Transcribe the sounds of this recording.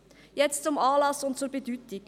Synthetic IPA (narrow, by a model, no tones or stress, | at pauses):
jɛt͡st͡sʊmɑːlɑsʊntt͡suɾbedytɪk